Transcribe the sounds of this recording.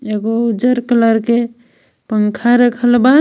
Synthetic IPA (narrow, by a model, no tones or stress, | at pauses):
eɡod͡ʒəɾkələɾke | pəŋkʰaɾəkʰəlba